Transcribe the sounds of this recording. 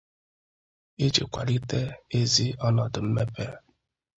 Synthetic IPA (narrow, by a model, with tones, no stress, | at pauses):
e˦d͡ʒḛ˨kʷa̰˨li˦te˦e˦zi˦ɔ˦nɔ˨dʊ˨m̩˦me˦pe˦ɾ